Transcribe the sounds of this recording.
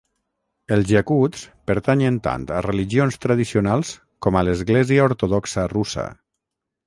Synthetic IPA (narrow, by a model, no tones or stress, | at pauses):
əlˠzʒakuspəɾt̪aɲənt̪a̰nt̪əreliʒionst̪ɾaðisionalˠs | kɔmaləzɣlɛziaoɾt̪oðɔksərusə̰